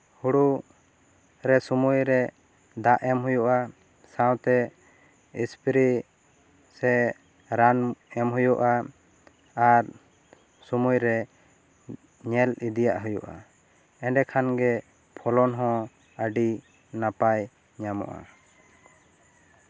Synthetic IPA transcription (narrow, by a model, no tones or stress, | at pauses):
huɽu | ɾɛsumujɾɛ | d̪aʔɛmɦujuʔa | sawt̪ɛ | ispʰɾi | sɛ | ɾanɛmɦujuʔa | aɾ | sumujɾɛ | ɲɛlid̪ijaʔɦujṵʔa̰ | ɛɳɖɛkʰanɡɛ | pʰɔlɔnɦɔ̃ | əɖi | napaj | ɲamɔ̰ʔa̰